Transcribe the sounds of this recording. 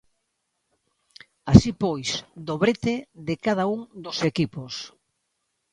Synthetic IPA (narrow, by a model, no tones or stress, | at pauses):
asipojsd̪oβɾet̪eðɪkað̞auŋd̪osekipos